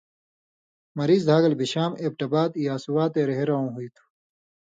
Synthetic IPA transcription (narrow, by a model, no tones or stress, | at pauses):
mɐɾiːzd̪ʱaːɡɐlbiɕaːmeːb̚ʈɐbaːt̪jaːsuwaːt̪eːɾeɦeɾɐũːɦuit̪ʰu̥